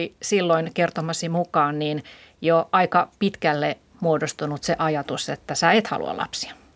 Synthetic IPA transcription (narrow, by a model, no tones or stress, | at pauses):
isilːoinkert̪omɑsimukɑːnniːn | joʔɑikɑpit̪kælːe | muodost̪unut̪seʔɑjɑt̪uset̪ːæsæːet̪hɑ̰lṵɑ̰lɑ̰psi̥ɑ̥